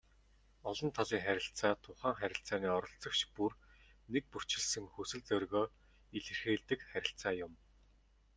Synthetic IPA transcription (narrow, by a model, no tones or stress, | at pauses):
ɔɮɞ̆nt̪ʰɔɮiːŋχæɾʲɪ̆ɬt͡saːt̪ʰʊχæːŋχæɾʲɪ̆ɬt͡saːniːɔɾɞ̆ɬt͡sɞ̆kt͡ɕpurnek̚pur̥ʰt͡ɕɪ̆ɮsɘ̆ŋxusɘ̆ɮt͡sœrɣoː | iɮĕrxeːɮt̪ɘ̆kχæɾʲɪ̆ɬt͡saːjʊm